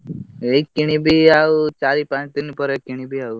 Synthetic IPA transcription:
ekːiɳ̃ĩbʱiaut͡ʃaɾipãt͡ʃt̪inpɔɾekːiɳ̃ibʱiau

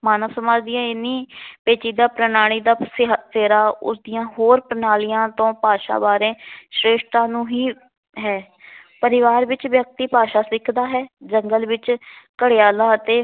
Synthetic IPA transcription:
maːnəʋsəmaːd͡ʒd̪ɪjãːɪnːiːpeːt͡ʃiːd̪aːpɾənaːɽ̃iːd̪aːsseːɾaːʊ̰sd̪ijãːɦoːɾpɾənaːlijãːt̪õːpaːʃa̰ːbaːɾẽːʃɾeːʃt̪ãːnũːɦiː | ɦɛː | pəɾɪʋaːɾʋɪt͡ʃʋjək̚t̪iːpaːʃaːsɪkʰd̪aːɦɛːd͡ʒəŋɡəlʋɪt͡ʃkəɽeaːlaːət̪eː

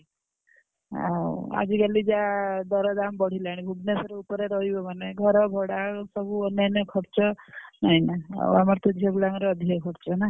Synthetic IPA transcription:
ɦa̰a̰d͡ʒiɡalid͡ʒad̪ɔɾɔd̪ambɔɽ̤ilaɽ̃ibʱuɡnesɔɾeupɔɾeɾɔɦibɔmaneɡʱɔɾɔbʱɔɽasɔbuɔnjanjɔkʰɔɾt͡ʃɔnaɦinaa̰amaɾt̪ʰuebulaŋɾɔːd̪ʱiɔkʰɔɽt͡ʃɔna

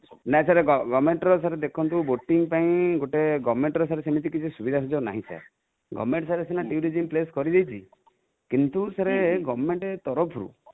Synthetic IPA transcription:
nasaɾeɡɔɡɔbmeɳʈɔɾɔsaɾed̪ekʰɔnt̪̬uboʈiŋpaĩɡoʈeɡɔbmeɳʈɔɾɔsaɾesemit̪̬ikit͡ʃʰisubid̪ʱasɔd͡ʒɔna̰ɦĩsa̰ɾ | ɡɔ̰bmeɳʈsaɾesinaʈiuɾid͡ʒimpleskɔɾid̪ejt͡ʃʰi | kint̪usaɾeɡɔbɔmeɳʈet̪ɔɾɔpʰɾṵ

